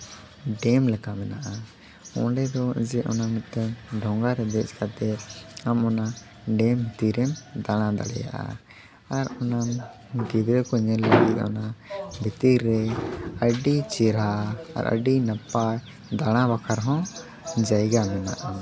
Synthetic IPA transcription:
ɖɛmlɛkamɛnaʔa | ɔ̰̃ɖɛd̪ɔd͡ʒɛʔɔnamɛt̪ɛɖʱɔ̃ŋɡaɾɛb̪ɛt͡ʃkat̪ɛamɔna | ɖɛmbʱit̪iɾɛmd̪aɽ̃ãd̪a̰ɽɛ̰ja̰ʔa̰ | aɾɔnam | ɡid̪ɾɛkɔɲɛləɡit̪̚ɔ̰nabʱit̪iɾːɛəɖit͡ʃiɾa̰ːɾʔə̰ɖinapaj | d̪aɽ̃ãbakʰaɾɦɔ̃ | d͡ʒajɡamɛna̰ʔa

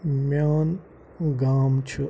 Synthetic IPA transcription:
mʲjaːn | ɡaːmt͡ʃʰu

